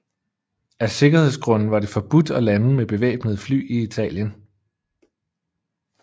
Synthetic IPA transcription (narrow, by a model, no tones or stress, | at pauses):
æse̝ɡ̥ɐhe̝ð̰ˠsɡ̥ʁɔ̽n̰n̩ʋɑ̈ɾe̝fɒ̽b̥ud̥ɒ̽læn̩meb̥e̝ʋɛ̰ːb̥nəð̞̩ˠfly̰ːiit͡sʰɛ̰ːljən